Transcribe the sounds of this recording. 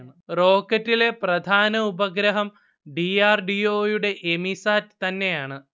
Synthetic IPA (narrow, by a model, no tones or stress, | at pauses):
ɳɨro̞ːkːɐtːile̞prɐd̪ʱaːnɐubɐɡɾɐɦɐm | ɖiaːrɖioːjuɽe̞ʔemisaːtt̪ɐnːe̞jaːɳɨ